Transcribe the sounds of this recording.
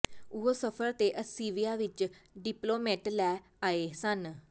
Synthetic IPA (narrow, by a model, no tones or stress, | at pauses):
ʊɦoːsəpʰəɾt̪eːʔəsiːʋiːaːʋɪt͡ʃɖɪploːmeːʈlɛː | aːeːsən